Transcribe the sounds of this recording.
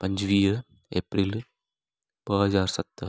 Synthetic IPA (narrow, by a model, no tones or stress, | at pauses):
pɐɲd͡ʒʋiːɾ | ḛːpɾil | b̥əɦɐzaːɾsɐt̪ː